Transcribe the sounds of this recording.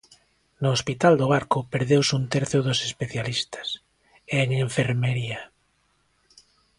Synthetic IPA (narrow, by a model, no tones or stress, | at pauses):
nʊːspit̪ald̪oβaɾkʊpeɾðewsunt̪ɛɾθjoðosespeθjalist̪ɐ̥s | eŋeɱfeɾmeɾia